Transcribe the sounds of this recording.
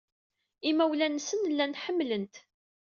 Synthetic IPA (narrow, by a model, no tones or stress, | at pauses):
imæwlænːsənlːænħəmːlənt̪